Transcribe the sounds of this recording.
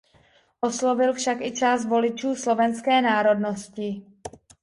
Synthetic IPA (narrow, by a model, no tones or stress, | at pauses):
ʔo̞slo̞vɪlfʃakʔɪt͡ʃaːst̪vo̞lɪt͡ʃuːslo̞vɛnskɛːnaːɾo̞dno̞scɪ